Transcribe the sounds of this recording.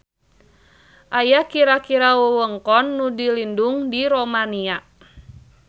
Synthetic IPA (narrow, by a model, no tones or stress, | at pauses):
ʔajakiɾakiɾawəwəŋkɔnːudilinduŋdiɾomania